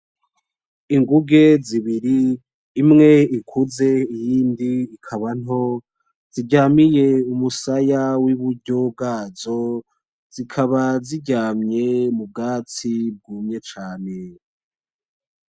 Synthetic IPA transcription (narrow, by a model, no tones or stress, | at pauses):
iŋɡuɡe̞ziβiɾiː | mŋe̞ikʰuze̞ijiːndiːkʰaβan̥ɦo̞ | z̥iɟaːmije̞umusajawiβuɾɟo̞b̚ɡaːzo | zikʰaβaziɟaːmɲe̞mub̚ɡaːt͡sib̚ɡuːmɲe̞t͡ʃaːne̞